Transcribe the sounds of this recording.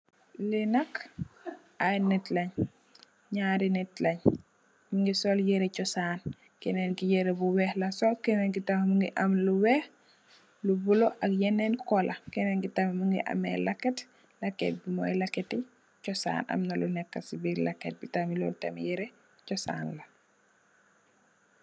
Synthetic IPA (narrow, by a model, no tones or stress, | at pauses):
lɛnɐkː | ajnɛtlɐɲ | ɲaɾinɛtlɐɲ | miŋɡisɔljɛɾɛt͡ʃɔsaːn | kɛnɛnkijɛɾebuwɛhlasɔlkɛneŋkitammuŋɡiʔamluwɛh | lubuloʔakjɛnːɛnkɔlʔakɛneŋkitamimuŋɡiʔa̰mɛ̰lakːet | lakːḛt̚bimɔ̰jlakːeti | cɔsa̰ːna̰mnɐlunɛkːasibiɾlakːḛt̚bitamilɔ̰ːltɐmḭjɛɾe | cɔsa̰ːnlɐ